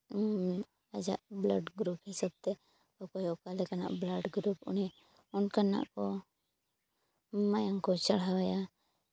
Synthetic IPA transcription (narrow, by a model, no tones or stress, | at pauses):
ad͡ʒa̰ʔblaɖɡɾuphisab̚t̪ɛ | ɔkɔjɔkalɛkana̰ʔblaɖɡɾupṵni | unkana̰ʔkɔ | majaŋkɔt͡ʃaɽ̤awaja